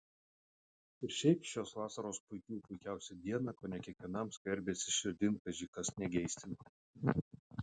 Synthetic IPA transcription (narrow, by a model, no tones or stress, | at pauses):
ɪɾʃʲɛɪpʃʲoːsʋɑːsɐɾoːspʊɪkʲuːpʊɪkʲæˑʊsʲɛd̪ʲiɛnɑkoːnʲɛkʲiɛkʋʲiɛnɐmsʲkʲɛɾʲbʲeːsʲɪʃʲɪɾʲd̪ʲɪŋkʲɐʒʲiːkɐsnʲɛɡʲɛɪsʲt̪ʲɪn